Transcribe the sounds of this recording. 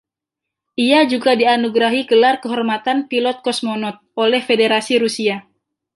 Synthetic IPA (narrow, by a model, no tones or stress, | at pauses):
ʔiad͡ʒuɡadianuɡɾaɦiɡəlarkəɦɔrmat̪anpilɔt̪̚kɔsmonɔt̪̚ʔolɛhfedeɾasiɾusia